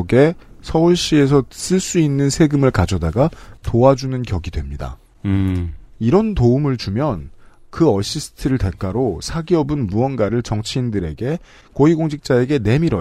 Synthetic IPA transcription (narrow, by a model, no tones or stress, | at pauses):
ɡe̞sʰʌuɭɕ͈ie̞s̬ʰʌs͈ɯɭs͈uinːɯnsʰe̞ɡɯmɯɭkad͡ʑʌdaɡatoad͡ʑunɯnkjʌɡidwe̞mɲida̰ | iɾʌntoumɯɭt͡ɕumjʌnkɯʌɕ͈ʰisʰɯ̥tʰɯɾɯɭte̞k͈aɾosʰaɡiʌbɯnmuʌnɡaɾɯɭt͡ɕʌŋt͡ɕʰiːndɯɾe̞ɡe̞ | koiɡoŋd͡ʑʰik̚t͡ɕ͈ae̞ɡe̞ne̞miɾʌ